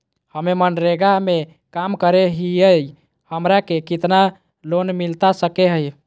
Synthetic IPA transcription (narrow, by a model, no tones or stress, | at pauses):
həmemənɾeɡame | kamkəɾeɦiəj | həmɾakekit̪na | lonmilt̪asəkeɦəj